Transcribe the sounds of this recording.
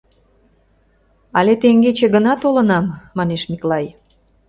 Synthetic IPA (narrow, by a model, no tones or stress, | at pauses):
ɑlet̪eŋɡet͡ɕeɣənɑt̪olənɑmːɑneʃmiklɑj